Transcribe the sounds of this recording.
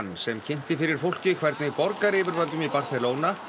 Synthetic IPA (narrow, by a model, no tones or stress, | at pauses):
nsɛmcʰen̥t̪ɪfɪɾɪɾ̥fowl̥cɪkʰvɛjɾt̪nɪɣpɔɾkaɾɪːvʏɾvalt̪ʏmipar̥θɛloːwna